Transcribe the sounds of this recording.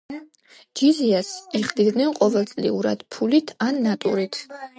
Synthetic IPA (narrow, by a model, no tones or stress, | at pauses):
d͡ʒiziasɛχd̪id̪nɛnqʼɔvɛlˠt̪sʼlḭuɾa̰d̪̥pʰulit̪ʰanːat̪ʼuɾit̪ʰ